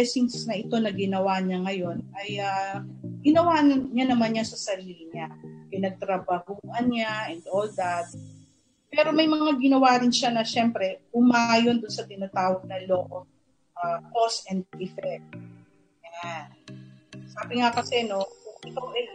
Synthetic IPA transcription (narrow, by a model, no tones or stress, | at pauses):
ɛsinsnɐʔɪt̪o̞nɐɡɪnɐwaːɲɐŋɐjo̞nʔɐjaɡɪnɐwaːnɲanɐmanɲɐsɐsɐɾiːlɪɲakɪnɐɡ̚t̪ɾɐbahuːʔɐnɲaʔɛnd̪ʔoːld̪at̪̚ | pɛːɾo̞mɐjmɐŋaɡɪnɐwaːɾɪnʃanɐʃɛmpɾɛpʊmajo̞nd̪ʊnsɐt̪ɪnat̪aːwɐɡ̚nɐloːʔo | ʔakosɛnd̪̚ɪfɛk̚t̪̚ | jan | saːbɪŋakɐsɛno̞ʔɪkawʔɛ